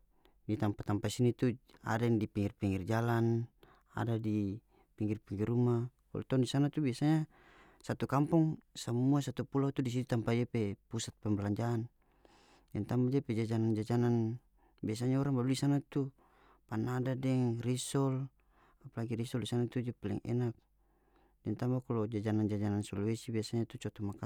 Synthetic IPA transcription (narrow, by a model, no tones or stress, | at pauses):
dit̪ampat̪ampasinit̪ua̰daŋdipiŋirpiŋird͡ʒalan | a̰dadi | piŋɡirpiŋɡiruma | wa̰lt̪ɔndisanat̪ubiasaɲa | sat̪ukampɔŋsamuasat̪upulat̪udis̬id̪it̪ampad͡ʒapɛpusat̪̚pɛmblaɲd͡ʒaːn | dɛnt̪ambad͡ʒapɛd͡ʒad͡ʒanand͡ʒad͡ʒanan | bias̬aɲaɔɾaŋbaluisanat̪u | panadadɛŋrisɔl | apalaɡiɾisɔldisanat̪ud͡ʒapalɛ̰ŋʔɛ̰nak̚ | dɛnt̪ambakɔlɔd͡ʒad͡ʒanand͡ʒad͡ʒanansɔlwɛsibiasaɲat̪ut͡ʃɔt̪ɔmaka